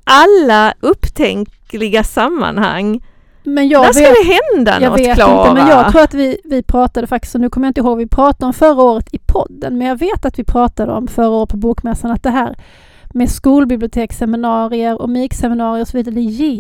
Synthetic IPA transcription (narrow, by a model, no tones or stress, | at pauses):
ʔalːaɵpːt̪ʰɛ̰ŋk | lɪɡasamːa̰nha̰ŋː | mɛnjɑːɡæveːd̪ɛɦɛnd̪a̰njɑːɡveːt̪lɪnəmɛnjɑːɡt̪ʰɾuːɾat̪vɪvɪpʰɾɑːt̪ad̪əfakt̪ɪ̥st̪ɔnʉːkʰɔmːjaɪnt̪əɪɦoːɡvɪpʰɾɑːt̪ad̪əɔmfœɾaoːɾət̪ʰɪpʰɔ̰d̪ːənmɛnjɑːɡveːt̪at̪vɪpʰɾɑːt̪ad̪əɔ̰mfœɾaoːɾət̪̚pʰɔbuːkmɛsːanat̪̚d̪ɛɦæːɾ | meskuːlbɪblɪʊt̪ʰeːksɛmɪnɑːɾɪəɾɔmiksɛmɪnɑːɾɪɾɔsɔviːd̪aɾɛje